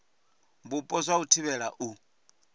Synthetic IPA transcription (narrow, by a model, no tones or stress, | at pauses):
mbupʼɔzʷautʰiβɛɺaʔu